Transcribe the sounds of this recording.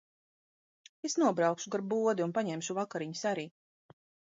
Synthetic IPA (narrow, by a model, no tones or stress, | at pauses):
esnuɔbɾawkʃuɡaɾbuɔd̪iunpaɲɛmʃuvakaɾiɲusaɾiː